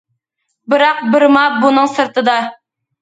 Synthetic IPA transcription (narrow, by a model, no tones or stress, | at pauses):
bɘɾɑq̚bɤ̆ɾmɑbunɤɴsɤ̆ɾt̪ɤd̪ɑ